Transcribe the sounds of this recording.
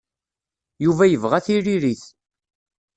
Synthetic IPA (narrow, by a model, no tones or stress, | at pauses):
juvæjəvʁæθiɾiɾiθ